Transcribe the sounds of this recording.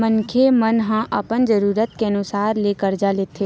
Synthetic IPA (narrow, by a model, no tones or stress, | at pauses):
mənkʰemənɦãʔəpənd͡ʒəɾuːɾət̪keənʊsaːɾleːkəɾd͡ʒaːleːt̪ʰeː